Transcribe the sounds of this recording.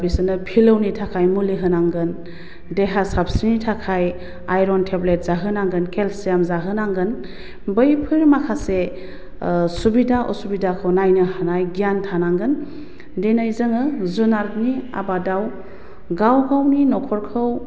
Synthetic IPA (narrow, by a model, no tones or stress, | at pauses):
bisɯnɯpʰilɯwnitʰakʰajmuliɦɯnaŋɡɯn | deɦasab̚sinitʰakʰaj | ajɾɔntʰeblet̚z̥aɦɯnaŋɡɯnkelsijamzaɦɯnaŋɡɯn | bɯjpʰɯɾmakʰase | subidaʔɔ̰subidakʰɯwnajnɯhanajɡijantʰanaŋɡɯn | denajzɯŋɯzunaɾtnia̰badaw | ɡawɡawninɔkʰɔɾkʰɯw